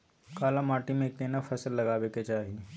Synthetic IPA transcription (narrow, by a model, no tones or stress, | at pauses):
kaːlamaːʈimẽek̚ːeːnafʰɐsəlːɐɡaːʋeket͡ʃaːɦi